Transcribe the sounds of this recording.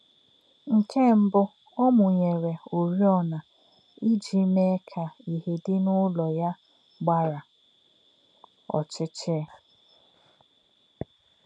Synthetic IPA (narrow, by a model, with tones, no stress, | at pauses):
ŋ̩˨kʰe˦˨m̩˦bʊ˦ | ɔ˦mʊ˨ɲe˨ɾe˨o˨ɾi˦ɔ˦na˨ | i˦d͡ʒi˨˦me˦kʰa˨i˨ɦe˨dɪ˦nʊ˦lɔ˨ja˦ | ɡ͡ba˦ɾa˨ | ɔ̰˨t͡ʃɪ˦t͡ʃɪ˦